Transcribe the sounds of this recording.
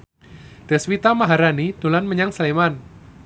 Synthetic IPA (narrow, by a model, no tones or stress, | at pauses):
d̪̥ɛ̤swit̪amaɦaɾanid̪̥o̤lanməɲaŋsleman